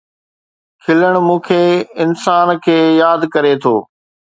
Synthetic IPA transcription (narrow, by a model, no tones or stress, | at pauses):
kʰɪləɽ̃mũːkʰeːɪnsaːnkʰeːjaːd̪kɐɾet̪ʰo̰ː